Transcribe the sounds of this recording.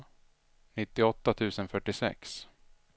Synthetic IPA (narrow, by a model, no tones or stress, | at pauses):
nɪt̪ːɪɔt̪ːat̪ʰʉ̟ːsənfœʈːɪsɛ̰ks